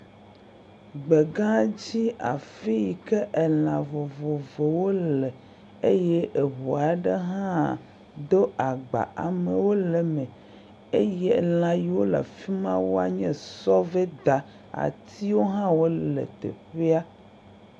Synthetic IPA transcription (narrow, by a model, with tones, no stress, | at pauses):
ɡ͡be˨ɡã˦d͡ʑi˦a̰˨fi˦ji˨kɛ˦ʔe˨l̃ã˨vo˨vo˨vo˨wo˦lɛ˨ | e˦je˦ʔe˨ɦo˨a˨ɖe˦ɦã˦˨ | d̪o˦a˨ɡ͡ba̰˨ʔa˨me˨wo˦lɛ˨mɛ̃˨ | e˦je˦l̃ã˨ji˨wo˦la̰˨fi˦mã̰˦wo˦a̰˨ɲɛ̃˦sɔ˦ve˦d̪a˨ | a̰˨t̪ʰi˦wo˦ɦã˦wo˦lḛ˨t̪ḛ˨ɸe˦a˦